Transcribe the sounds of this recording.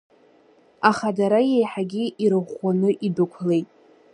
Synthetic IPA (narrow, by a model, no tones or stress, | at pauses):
aχadaɾajejħaɡʲiʔiɾɨχʷanɨʔidʊkʷʰle̞jtʼ